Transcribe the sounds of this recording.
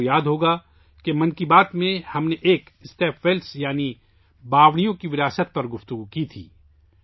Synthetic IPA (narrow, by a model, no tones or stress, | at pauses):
jaːd̪ɦoːɡa | kemɐ̃nkibaːt̪mẽhɐmneʔeːkɪst̪eːfʰʋeːlsjaːni | baːʋɽ̃ijõkiʋɪɾaːsət̪̚pɐɾɡʊft̪ʊɡukit̪ʰḭː